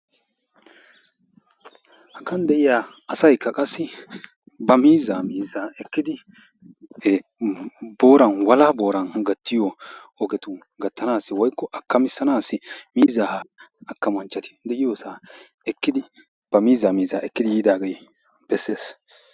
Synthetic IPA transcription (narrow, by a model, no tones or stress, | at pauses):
hɐkːɐnd̪ɛʔɪjaːɐsɐjkːɐkʼɐsːɪ | bɐmiːzːaːmiːzːaːɛkːɪd̪ɪ | bo̞ːɾɐnwɐlaːbo̞ːɾɐnɡɐt̪ːɪjo | ɔɡɛt̪ʊ | ɡɐt̪ːɐnaːsːɪwɔjkːɔʔɐkːɐmɪsːɐnaːsːɪmiːzːaːhɐkːɐmɐnt͡ʃːɐt̪ɪ̥d̪ɛʔɪjoːsaː | ɛkːɪd̪ɪ | b̥ɐmiːzːaːmiːzaːɛkːɪd̪ɪjiːd̪aːɡej | b̥ɛsːeːs